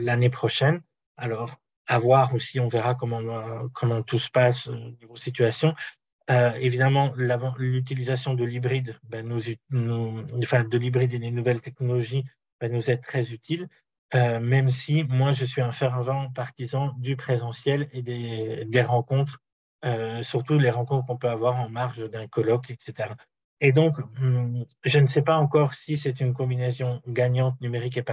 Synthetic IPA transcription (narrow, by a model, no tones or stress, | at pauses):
lanepχɔʃɛn | alɔːʁ | avwaʁosiɔ̃vɛʁakɔmɑ̃kɔmɑ̃t̪usə̥pasonuvosit̪ɥasjɔ̃ | øevid̪amɑ̃lavɑ̃lyt̪̬ilizasjɔ̃d̪əlibʁid̪banuzynũfɛ̃d̪əlibʁid̪ed̪enuvɛlt̪ɛknɔlɔʒi | b̥anuzɛt̪χɛzyt̪ʰil | ømɛmsimwaʒəsɥiɛ̃fɛʁvɑ̃paʁt̪izɑ̃d̪ypχezɑ̃sjɛled̪ed̪eʁɑ̃kɔ̃t̪χ | øsyʁt̪uleʁɑ̃kɔ̃t̪χəkɔ̃pøavwaʁɑ̃maʁʃd̪ɛ̃kɔlɔkɛkset̪eʁa | ed̪ɔ̃k | ʒənəsɛpaɑ̃kɔʁsisɛt̪ynk̬ɔ̃binesjɔ̃ɡaɲɑ̃t̪̚nymeʁik̬epa